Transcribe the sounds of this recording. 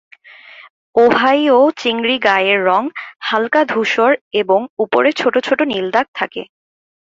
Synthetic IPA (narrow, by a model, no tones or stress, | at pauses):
oɦajot͡ɕiŋɾiɡajeɾːɔŋhalkad̪ʱuʃoɾeboŋupoɾet͡ɕʰoʈot͡ɕʰoʈonild̪ak̚t̪ʰakḛ